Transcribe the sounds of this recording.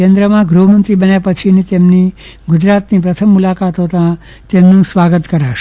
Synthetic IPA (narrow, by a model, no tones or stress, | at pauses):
end̪ɾəmãɡɾuɦəmənt̪ɾibənjapət͡ʃʰinet̪emni | ɡud͡ʒɾat̪nipɾət̪ʰəmːulakat̪ɦot̪ã | t̪emnũsʋaɡət̪kəɾaʃ